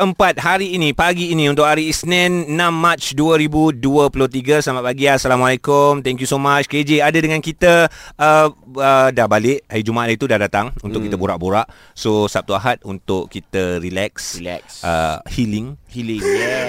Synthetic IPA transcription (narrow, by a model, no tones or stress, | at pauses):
ʔəmpat̪̚haɾiːnipaɡiːnĩunt̪ʊʔhaɾiːsnɛnənãmːat͡ʃduəɾibuduəpulot̪iɡəsəlamat̪̚paɡiasalamalekʊmt̪ɛŋkjusomat͡ʃked͡ʒiadədəŋãnkit̪əəədahbalɪʔaid͡ʒumaaʔlait̪udahdat̪aŋunt̪ʊkːit̪əbuɾaʔbuɾaʔ | sosap̚t̪uaɦat̪̚unt̪ʊʔkit̪əɾilɛksə̰hilɪŋhilŋj